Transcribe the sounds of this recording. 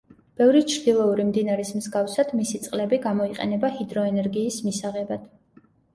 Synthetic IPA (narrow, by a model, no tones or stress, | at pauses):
b̥ɛvɾit͡ʃʰɾd̪̥ilˠɔuɾimd̪inaɾɛsmzɡafsad̪̥misit̪sʼqʼlɛbiɡamɔiqʼɛ̰nɛbahid̪ɾɔɛnɛɾɡiːsmisaʁɛbad̪̥